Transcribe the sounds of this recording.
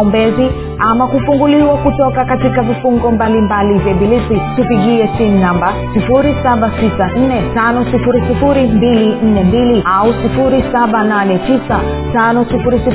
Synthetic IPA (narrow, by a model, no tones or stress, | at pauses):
umbɛzi | amakufuŋɡuliwakutɔkakatikavifuŋɡɔmbalimbalivɛɓilisitupiɠiɛsim̩namba | sifuɾisaɓatisan̩nɛtanɔsifuɾisifuɾimbilin̩nɛmbiliausifuɾisaɓananɛtisa | tanɔsifuɾisi